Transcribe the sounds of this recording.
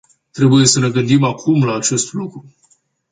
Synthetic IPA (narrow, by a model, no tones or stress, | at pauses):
t̪ɾe̞buje̞səne̞ɡɨnd̪imakʰumlaːt͡ʃe̞st̪lukɾu